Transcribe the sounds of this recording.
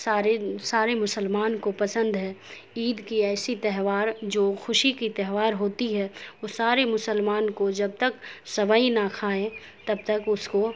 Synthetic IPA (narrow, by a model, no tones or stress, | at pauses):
aːɾesaːɾemʊsəlmaːnkopɐsə̃nd̪ɦɛː | iːd̪kiɛːsit̪ɛɦʋaːɾd͡ʒoːxʊʃikit̪ɛɦʋaːɾɦoːt̪iɦɛoːsaːɾemʊsəlmaːnkod͡ʒɐb̚t̪ɐksɐbəinakʰaːẽ | t̪ɐb̚t̪ɐkʊsko